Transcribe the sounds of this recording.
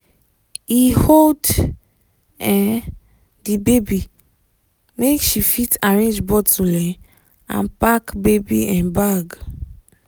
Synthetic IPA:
hihold | ɛ | dibebi | mekʃifitaɹẽnd͡ʒbɔtulɛ̃ | ã̰npakbebiɛ̃nbaɡ

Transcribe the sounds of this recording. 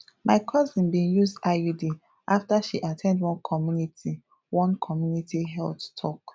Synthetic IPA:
mʔaɪkʰɔzĩnbĩjuzdajudi | ʔaftaʃiʔatʰɛ̃ndwɔ̃nkʰɔmjunitʰi | wɔ̃nkʰɔmjunitiɦɛlttʰɔ̰k

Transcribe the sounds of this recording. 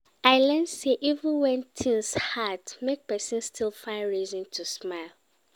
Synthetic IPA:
aɪlɛ̃ndseʔivə̃nwɛ̃ntʰĩnshadmek̚pɛsɨ̃nstʰilˠfãɪ̃nɹizɔ̃ntʰusmaɪlˠ

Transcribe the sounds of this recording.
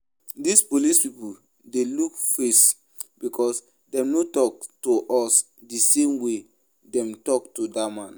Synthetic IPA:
dispolispipu | delukfes | bikʰɔs | dɛ̃mnotɔk̚toʔɔs | disẽmwe | dɛ̃mtɔktodamãn

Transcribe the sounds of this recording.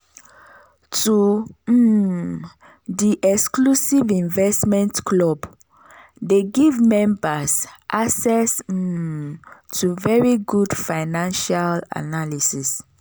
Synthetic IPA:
tu | diʔɛksklusivĩnvɛstmɛ̃ntklɔb | deɡivmɛ̃mbasʔasɛs̩ | tuvɛɹiɡudfaɪnãnʃala̰nalisis

